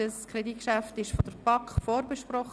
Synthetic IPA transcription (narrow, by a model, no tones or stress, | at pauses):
əskɾediːt̚kʃæftɪʃfɔd̥əɾb̥ɑkfoːɾbəʃpɾɔχ